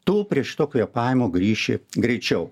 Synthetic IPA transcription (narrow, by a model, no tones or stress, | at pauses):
t̪uːpʲɾʲiɛʃt̪oːkʲojɛpɑɪmoːɡɾʲiːʃʲḛːɡɾʲɛɪt͡ʃʲɛʊ